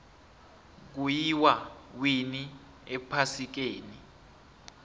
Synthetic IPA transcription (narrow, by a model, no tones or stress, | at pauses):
k̬ujiwawini | ɛpʰasik̬eːni